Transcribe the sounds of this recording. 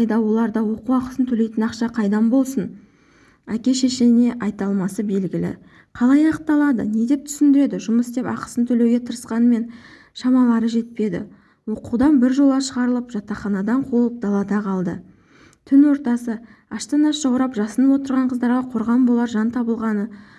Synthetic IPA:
jd̪ɑwo̞lˠɑɾd̪ɑwo̞quwɑqə̥sənt̪ʰɵle̞jt̪ɪnɑqʃɑqʰɑjd̪ɑnbo̞lˠsən | ækʲe̞ʃeʃene̞ʔɑjt̪ɑlˠmɑsəbe̞lɡʲɪlɪ̰ | qʰɑlˠɑjɑqp̚t̪ːɑlˠɑd̪ə̰ne̞d̪e̞p̚t̪ʰʏ̥sɪnd̪ɪɾe̞d̪ɪʒʊməsd̪e̞pɑ̰qə̥sənt̪ʰɵle̞wɡʲe̞t̪ʰəɾəsqɑnəme̞n | ʃɑmɑlˠɑɾəʒe̞t̪̚pe̞d̪ɪ̰ | wo̞quwd̪ɑnbɪɾʒo̞lˠʁɑʃəʁɑɾəlˠəpʒ̥ɑt̪ːɑχɑnɑd̪ɑɴqʰolˠəp̚d̪ɑlˠɑd̪ɑqʰɑlˠd̪ə̰ | t̪ʰʏnwo̞ɾt̪ɑsəɑʃt̪ənɑsʒ̥ɑwɾɑpʒɑsənəwo̞t̪əɾʁɑɴqʰəzd̪ɑɾʁɑqʰo̞ɾʁɑnbolˠɑɾʒɑnt̪ʰɑbəlˠʁɑnə

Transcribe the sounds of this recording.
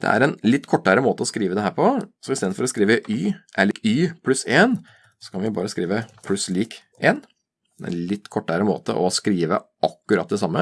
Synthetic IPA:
d̪̥ɛ̰æ̰ɾɛnlɪt̪ːkʰɔʈːəɾəmoːt̪əɔskɾiːʋəd̪ɛhæːɾpʰɔsɔɪst̪eːd̪fɔɾɔskɾiːʋəʔyːʔælyːpʰlʉseːn | sɔ̥kʰɑnʋɪbɑ̰ːɾəskɾiːʋəpʰlʉsliːk | eːn | ɛ̰lɪt̪ːkʰɔʈːəɾəmo̰ːt̪ə̰ʔɔskɾiːʋə̰ʔɑkːʉɾɑt̪̚ːd̪ɛsɑmːə

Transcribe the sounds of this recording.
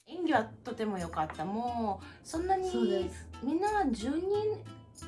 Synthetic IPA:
ẽŋɡʲiβat̪o̞t̪e̞mo̞jo̞kat̪ːamoːsõ̞nːaɲ̟id̪e̥mʲĩnːaad͡ʑɨːɲ̟ĩŋ

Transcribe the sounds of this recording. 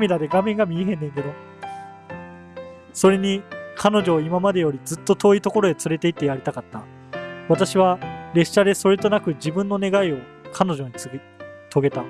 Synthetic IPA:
mʲiɾad̪e̞ɡamẽ̞ŋɡamʲieɦẽnd̪ẽ̞ŋke̞d̪o̞ | so̞ɾe̞ɲ̟ikʰano̞ʑo̞ːimamad̪e̞jo̞ɾʲid͡zɨt̪ːo̞t̪o̞ːit̪o̞ko̞ɾo̞et͡sɨɾe̞t̪e̞it̪ːe̞jaɾʲit̪akat̪ːa | βat̪aɕiβ̞aɾe̞ɕːad̪e̞so̞ɾe̞t̪o̞nakɯ̟d͡ʑibɯ̟̃nːo̞ne̞ɡaio̞ | kʰano̞ʑo̞ɲ̟i | t̪ʰo̞ɡe̞t̪a

